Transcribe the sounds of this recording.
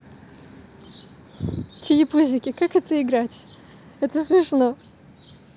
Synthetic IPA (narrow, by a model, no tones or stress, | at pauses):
tʲɪjɪpuzʲɪkʲɪkakɛt̪əɪɡɾatʲ | ɛt̪əsmʲɪʂno